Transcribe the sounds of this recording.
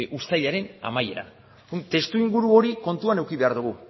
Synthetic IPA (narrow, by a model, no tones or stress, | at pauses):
ʔust̪aʎaɾe̞na̰maje̞ɾa̰ | t̪e̞st̪uiŋɡuɾuo̞ɾiko̞nt̪uane̞wkiβe̞aɾðuɣ̞u